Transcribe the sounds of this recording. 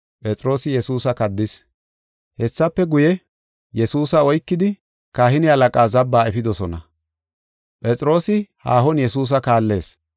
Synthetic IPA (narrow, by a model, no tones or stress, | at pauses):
pʼɛt͡sʼɾo̞ːsɪjɛsuːsɐkɐd̪ːɪs | hɛsːɐpːɛɡʊjɛ | jɛsuːsɐɔjkːɪd̪ɪ | kaːhɪnɪɐlɐkʼaːzɐbːaːɛfɪd̪ɔsɔnɐ̰ | pʼɛt͡sʼɾo̞ːsɪhaːɦɔnjɛsuːs̬ɐkaːlːe̞ːs